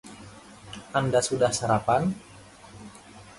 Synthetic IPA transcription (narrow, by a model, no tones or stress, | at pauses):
andasudahsaɾapan